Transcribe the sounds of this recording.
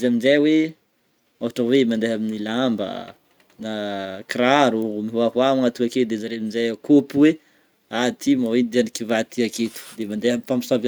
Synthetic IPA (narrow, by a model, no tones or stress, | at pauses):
zaminzajwe | aaʈ͡ʂəwemand̪eɦaminilambə̰ | nakɾaɾumiɦuaɦwaŋat̪uaked̪ezaɾeminzajkopuwe | at̪imawenid̪ianikivat̪iaket̪u̥d̪emand̪eɦamifami̥sava